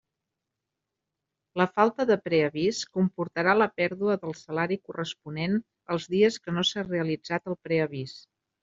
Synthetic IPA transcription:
ləfalˠt̪əðəpɾɛəβiskumpuɾt̪əɾaləpɛɾðuəðəlˠsəlaɾikurəspunen | əlˠzðiəskənosareəlid͡zat̪əlˠpɾɛəβis

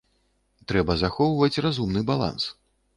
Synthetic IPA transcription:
t̪ɾɛbɐzaxɔwvɐt͡sʲrazumnɨbalˠa̰ns

